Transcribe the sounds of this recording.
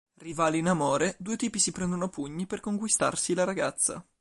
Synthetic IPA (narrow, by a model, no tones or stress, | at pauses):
rivaːliːnamoːɾed̪uːet̪iːpisipɾɛnd̪onoapuɲːiperkoŋkwist̪a̰rsilaɾaɡat̪sːa̰